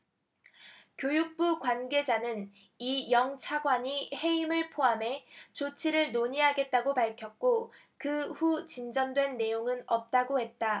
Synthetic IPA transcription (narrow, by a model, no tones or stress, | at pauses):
kjojuk̚p͈ukwanɡe̞d͡ʑanɯn | ijʌŋt͡ɕʰaɡwaɲihe̞imɯɭpʰoame̞t͡ɕot͡ɕʰiɾɯɭnoɲiɦaɡe̞t̚t͈aɡopaɭkʰjʌk̚k͈o | kɯɸut͡ɕind͡ʑʌndwe̞nːe̞joŋɯnʌp̚t͈aɡohe̞t̚t͈a